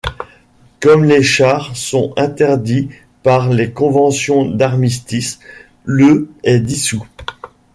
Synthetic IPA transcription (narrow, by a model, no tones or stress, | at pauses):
kɔmleʃaʁsɔ̃ɛ̃t̪ɛʁd̪i | paʁlekɔ̃vɑ̃sjɔ̃d̪aʁmist̪is | løɛd̪isu